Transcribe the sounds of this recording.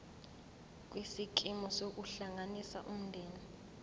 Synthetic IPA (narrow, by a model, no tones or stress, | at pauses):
k̬ʼwisik̬ʼimɔsok̬ʼuɬaŋanisa̰ʔum̩ndʱeːni